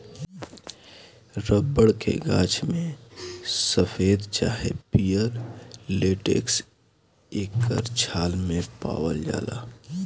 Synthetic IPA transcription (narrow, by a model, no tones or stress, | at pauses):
ɾəbːəɽkḛɡãːt͡ʃmẽ | səfʰeːd̪t͡ʃaːɦepijəɾleːʈḛːks | eːkːə̰ɾt͡ʃʰaːlmẽpa̰ːwəld͡ʒa̰ːla̰ː